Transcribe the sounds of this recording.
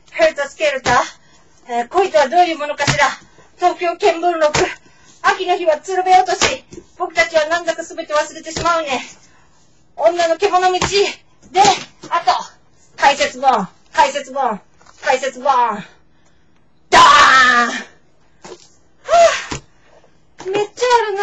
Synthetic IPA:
heɾɯ̟t̪asɨ̥ke̞ɾɯ̟t̪a | eko̞it̪ɨβad̪o̞ːjɯ̟ːmo̞no̞kaɕiɾa | t̪o̞ːkʲo̞ːkẽ̞mbɯɾɯɾo̞kɯ̟ | akʲino̞çiβat͡sɨɾobe̞jo̞ːt̪o̞ɕib̥o̞kɯ̟t̪at͡ɕiβ̞anãnd̪akɯsɨbe̞t̪e̞βasɨɾe̞t̪e̞ɕimaɯ̟ne̞ | õnːano̞ke̞mo̞no̞mʲit͡ɕi | d̪e̞at̪o̞ | k̪aise̞t͡sɨbõ̞ | kaise̞t͡sɨbõ̞ŋ | k̪aise̞t͡sɨbõ | d̪̥a | a | me̞t͡ɕːaːɾɯn

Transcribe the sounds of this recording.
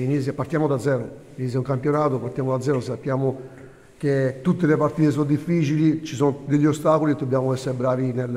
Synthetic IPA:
inis̬japaɾt̪jaːmod̪ad̪zːɛːɾo | init̪s̬jauŋkampjonaːt̪opaɾt̪jaːmod̪ad̪zːɛːɾosapːjaːmo | k̟et̪ːut̪ːelepaɾt̪iːt̪es̬ɔnd̪ifːiːt͡ʃilit͡ʃisɔnd̪eʎːiost̪aːkolid̪ːobːjaːmoɛsːeɾebɾaːvinel

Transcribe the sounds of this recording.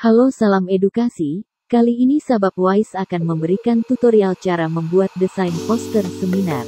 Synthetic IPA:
halosalamedukasi | kaliːnisabap̚wajsakanməmbəɾikant̪ut̪oɾialt͡ʃaɾaməmbuat̪̚dəsajnpɔst̪ərsəmina̰r

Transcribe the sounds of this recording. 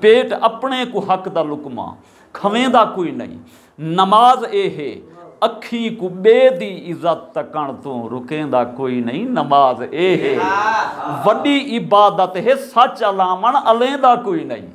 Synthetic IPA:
peːʈəpɳẽːkũɦəkd̪aːlʊkmã̰ː | kʰəʋẽːd̪aːkoːiːnə̰ḭ̃ː | nəmaːzeːɦeːəkʰːiːkuːɓeːd̪iːɪzət̪ːəkəɳt̪õːɾʊkẽːd̪aːkoːiːnəĩːnəmaːzeːɦeː | ʋəɗiːʔɪbaːd̪ət̪ɦeːsət͡ʃəlãːməɳəlẽːd̪aːkoːiːnə̰ḭ̃ː

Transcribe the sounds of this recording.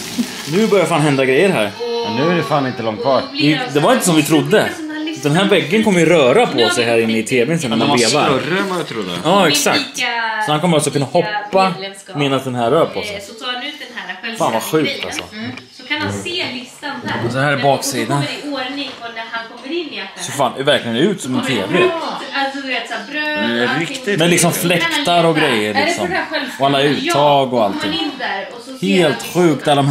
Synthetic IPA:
nʉ̟bœɾjafaːnɦɛnd̪aɡɾɛjːəɾɦæ̰ːɾmɛnːʉ̟ːæɖɛfaːnɪnt̪əlɔŋt̪fɑːʈɪd̪ɛvaɾɪnt̪əs̬ɔmvɪt̪ʰɾʊd̪ːə | d̪ɛnɦæːɾvɛɡːənkʰɔmːəjʉɾœːɾapʰɔsɛjɦæːɾɪnːəɪt̪ʰeːblɪsənmabeːvaɾəmaɪt̪ʰɾʊd̪ːə̰jɑːɛksa̰k̚t̪sɔhankɔmːɾɔksɔkʰɵnːahɔpːa | meːnasd̪ɛnɦæːɾːœːɾpʰɔsɛjt̪ʰːnʉːt̪̚d̪ɛnæfaːnvaɧʉ̟ːk̚t̪ʰa̰lsɔ̰sɔkʰananseːlɪst̪anshæːɾɛbɑːksiːd̪anonɪŋɔnæɾhankʰɔmːəɾɪnːɪɛsɔfaːnɛvæɾklɪɡənʉ̟ːt̪sɔmɛnfʰeːvɾɪ | et̪sbɾøɛɾɪɪmɛnlɪksɔmflɛkkt̪aɾɔɡɾɛjːəɾɭɪksɔmæɧɛlɔalːaʉ̟ːt̪ʰːɑːɡɔalt̪ʰːɪɡɪd̪æɾɔ | heːlt̪ɧʉ̟ːk̚t̪alːd̪ɔm

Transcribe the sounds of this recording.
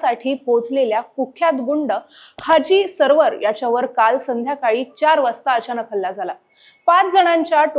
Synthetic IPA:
saʈʰiːpod͡zleljakukʰːjat̪ɡuɳɖə | had͡ʑiːsəɾʋəɾjat͡ɕjaʋəɾkalsənd̪ʱjakaɭiːt͡ɕaɾʋəst̪aəɕanəkʰəlːad͡zala | pat͡sd͡zəɽ̃ãɲt͡ɕjaʈ

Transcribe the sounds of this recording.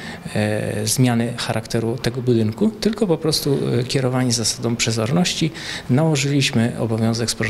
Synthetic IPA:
zmʲjanɘxaɾʔakt̪ɛɾut̪ɛɡɔbud̪ɘŋkut̪ɘlkɔpɔpɾɔst̪ukʲɛɾɔvaɲizasad̪ɔ̃mpʂɛzɔɾnɔɕt͡ɕinawɔʐɘlʲiɕmɘɔ̰bɔvʲjɔ̃w̃zɛkspɔ

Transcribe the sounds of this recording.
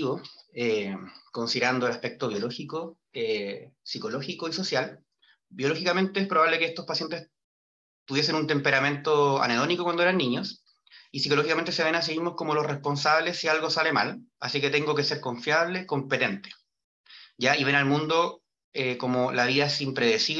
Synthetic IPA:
βoeko̞nsiðeɾand̪oelaspe̞k̚t̪oβjolo̞xiko | esiko̞lo̞xikoiso̞sjal | bjo̞lo̞xikame̞nt̪eespɾoβaβlekeest̪ospasje̞nt̪es | t̪uβje̞s̬e̞nunt̪e̞mpe̞ɾamẽ̞nt̪oa̰neðonikokwand̪oeɾanːiɲos | isikolo̞xikament̪ese̞βe̞nas̬eɣimoskomo̞lo̞srespo̞ns̬aβlesːialɣo̞sale̞malasike̞t̪e̞ŋɡoke̞se̞ɾko̞ɱfjaβle̞ko̞mpe̞t̪e̞nt̪e̥ | ʝaiβe̞nalmũnd̪o̞ | ekomolaβiðaesimpɾeðesi

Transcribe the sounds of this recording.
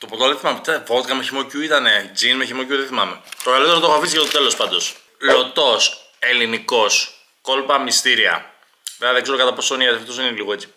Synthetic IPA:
t̪o̞pɾot̪oðeθimamet̪efot̪kɐmeçimocuit̪ɐne̞d͡zinmeçimocuðeθimɐmet̪okalit̪eɾot̪oexofisiʝɐst̪o̞t̪e̞lospɐnd̪o̞s | lo̞t̪o̞s | e̞liniko̞s | ko̞lpɐmist̪iɾiɐ̰ | eðeɡze̞ɾo̞kɐt̪ɐpo̞soniɐsɐft̪osineliɣoe̞t͡si̥

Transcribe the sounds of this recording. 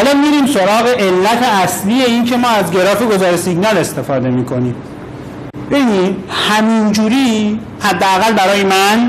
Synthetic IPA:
ælɒːmiːɾiːmso̞ɾɒːɣe̞ʔelːæt̪ʰe̞æslije̞inkʰe̞mɒːæzɡe̞ɾɒːfeɡo̞zɒːɾesiɡnɒle̞st̪e̞fɒːd̪e̞miːkʰo̞niːm | b̥ebinid̪hæmind͡ʒuːɾiː | hæd̪ːeæɣælbæɾɒːjemæn

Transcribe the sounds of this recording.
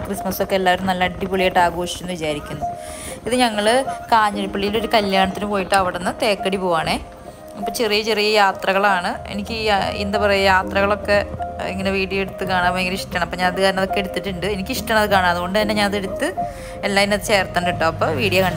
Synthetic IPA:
krismɐso̞kːeelːaːʋɐɾumnɐlːɐɐɖipuɭijeːʈːaːɡo̞ːʂi̥kunːɨʋit͡ɕaːɾikʲːunːɐðɨiðɨɲɐŋːɐɭkaːɲːɐɾipːɐɭːijilo̞ɾukɐljaːɳɐt̪ːinumpo̞ːjiʈːɐʋiɽenːɐt̪e̞ːkːɐɽipoːʋaːɳeː | ipːoːt͡ɕerijɐt͡ɕerijɐjaːt̪rɐɣɐɭaːɳɨḛnikʲːɨḭnd̪ɐpɐrɐjujaːt̪rɐɣɐɭo̞kːe̞ḭŋːɐne̞ʋiːɽijɐeɽut̪ːɨkaːɳaːpːoeŋːɡiniʂʈɐɳɐmɐpːoːɲaːnɐd̪ikaːɾɐnɐðo̞kːeɽut̪ːiʈːuɳɖɨe̞nikʲːɨiʂʈɐɳɐðɨkaːɳaːɐðɨɣo̞ɳɖɨt̪ɐnːe̞ɲaːnɐðɨeɽut̪ːɨ | elːaːðinɐðɨt͡ɕe̞ːrt̪ːanɳɖiʈːɐːɐpːoːʋiːɽijɐkɐɳɖ

